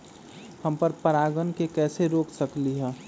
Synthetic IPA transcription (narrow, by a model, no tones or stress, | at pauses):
həmpəɾpəɾaːɡənkekɛːseɾoːksəkliɦɛ̃ː